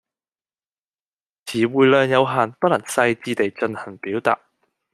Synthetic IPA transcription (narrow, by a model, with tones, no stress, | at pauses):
t͡sʰiː˨˩wuː˨jlœː˨˧njɐ˨˧wɦaː˨˩npɐ˥lɐ˨˩ŋsɐ˧jt͡siː˧t̪e˨jt͡ʃɵ˧nhɐ˨˩ŋpiː˨˥wt̪a̰ː˨t̚